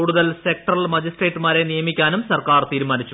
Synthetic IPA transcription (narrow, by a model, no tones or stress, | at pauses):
uːɽuðɐlsek̚ʈrɐlmɐd͡ʑisʈreːʈːɨmaːɾe̞nijɐmikʲːaːnumsɐrkaːrt̪iːɾumaːnit͡ɕːu